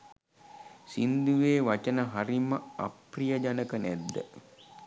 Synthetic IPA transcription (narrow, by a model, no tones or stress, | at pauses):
sind̪uʋeːʋat͡ʃənəɦaɾiməa̰prijəd͡ʒanəkənɛd̪ːə̰